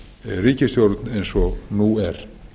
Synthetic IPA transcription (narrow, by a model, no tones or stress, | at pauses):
ɛriːcɪst̪jowɾt̪nejnsɔnuɛɾ̥